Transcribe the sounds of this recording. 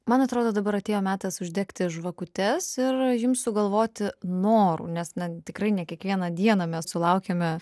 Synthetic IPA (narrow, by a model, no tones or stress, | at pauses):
mɐnɐt̪ɾoːd̪oːd̪ɐbɐɾɐt̪ʲeːjoːmʲæːt̪ɐsʊʒʲd̪ʲeːkt̪ʲɪʒʋɐkʊt̪ʲɛsɪrjɪmssʊɡɐlˠʋoːt̪ʲɪnoːɾṵːnʲɛsnɐt̪ʲɪkɾɐɪnʲɛkʲiɛkʋʲiɛnɐd̪ʲiɛnɐmʲɛssʊlˠɐʊkʲemʲɛ